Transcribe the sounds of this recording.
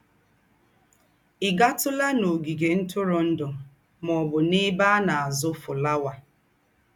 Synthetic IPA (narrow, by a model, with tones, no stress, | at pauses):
ɪ˨ɡa˦tʊ˦la˦no˨ɡi˨ɡe˨n̩˦tʊ˦ɾʊ˨n̩˦dʊ˨ | mɔ˨bʊ˨nɪ˦ba˦na˨a˨zʊ˦fʊ˨la˦wa˨